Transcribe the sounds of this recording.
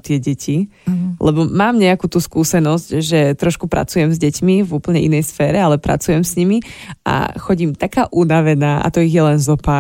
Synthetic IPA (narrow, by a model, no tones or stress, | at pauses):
t̪ɪɛɟɛcilɛbɔmaːmɲɛakuːt̪uːskuːsɛnɔzcʒɛt̪ɾɔʃkupɾa̰t͡sujɛmzɟɛcmivuːpl̩ɲɛʔinɛjsfɛːɾɛalɛpɾa̰t͡sujɛmzɲimiʔa̰xɔɟimt̪akaːʔunaʋɛnaːʔa̰t̪ɔiɣjɛlɛnzɔpa